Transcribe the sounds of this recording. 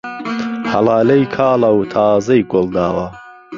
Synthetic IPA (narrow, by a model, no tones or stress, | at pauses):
hɐlɑːlɐjkʰaːlɐwt̪ʰaːzɐjɡʊlˠd̪aːwɐ